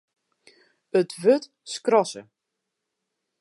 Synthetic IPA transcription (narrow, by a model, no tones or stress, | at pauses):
ətʋøt | skrɔsə̰